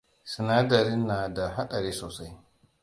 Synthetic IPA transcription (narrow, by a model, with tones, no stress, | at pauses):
si˨na˦da˨ɾɪ˦nːa˨da˨ɦa˦ɗa˨ɾeː˦soː˨sa˦j